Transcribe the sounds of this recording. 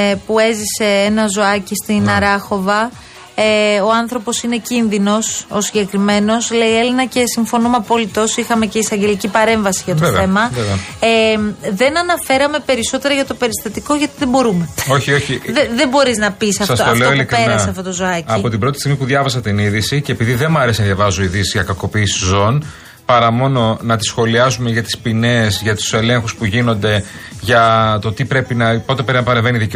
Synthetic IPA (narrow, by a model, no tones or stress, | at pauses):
pue̞zise̞enɐzo̞ɐcist̪inɐɾɐxo̞vɐ | eoɐnθɾo̞po̞sine̞cinðino̞sosiɟe̞kɾime̞no̞sle̞ie̞linɐce̞siɱfo̞numɐpo̞lit̪o̞sixɐme̞ce̞isɐɲɟe̞licipɐɾe̞ɱvɐsiʝɐt̪ot̪voḛe̞mɐeveɐemðe̞nɐnɐfe̞ɾɐme̞pe̞ɾiso̞t̪e̞ɾɐʝɐt̪o̞pe̞ɾist̪ɐt̪iko̞ʝɐt̪iðebo̞ɾume̞o̞çio̞çieðe̞mbo̞ɾiznɐpisɐfsɐstot̪oleoilikɾeɾnɐɐseɐft̪o̞t̪ozoɐcɐipo̞t̪ibɾo̞t̪ist̪iɣmipuðʝɐvɐsɐt̪iniðisiceːpiðiðe̞mɐɾe̞sinɐðʝɐvɐzoiðisizʝɐkɐko̞piːsi̥zo̞n | pɐɾɐmo̞no̞nɐt̪i̥sxo̞liɐzume̞ʝɐt̪i̥spine̞zʝɐt̪u̥se̞le̞ŋxuspuʝino̞nd̪e̞ʝɐt̪o̞t̪ipɾe̞pinɐpo̞t̪eeɾɐnɐpɐɾeɱveniðic